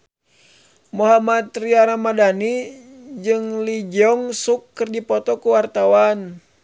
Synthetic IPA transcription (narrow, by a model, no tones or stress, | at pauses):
muɦamat̪riaɾamadanid͡ʒɨŋlid͡ʒɔŋsukːɨrd͡ʒipɔt̪ɔkuwart̪awan